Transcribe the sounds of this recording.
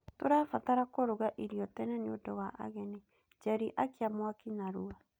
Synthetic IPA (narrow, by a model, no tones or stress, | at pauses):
toɾafataɾakoɾoɣaʔiɾiɔtɛnɛnodɔwaʔa̰ɣɛne | d͡ʒɛɾiʔakeamwakinaɾua